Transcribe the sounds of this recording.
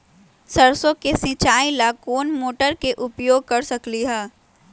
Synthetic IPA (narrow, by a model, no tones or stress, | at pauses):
sɐɾsõkesĩt͡ʃaːilakoːnmoːʈəɾkeʔʊpjoːɡ̚kɐɾsɐkliɦɛː